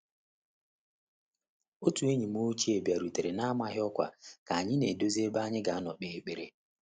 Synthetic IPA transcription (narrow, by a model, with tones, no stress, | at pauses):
o˦tu˨e˦ɲi˨m˦u˦t͡ʃi˦e˨bja˨ɾu˨te˨ɾe˨na˦a˦ma˦ɦɪ˦ɔ˦kʷa̰˨ka˨a˨ɲɪ˦ne˨do˦zi˦e˦ba˦ɲɪ˦ɡa˨a˦nɔ˨k͡pe˨˦k͡pe˨ɾe˨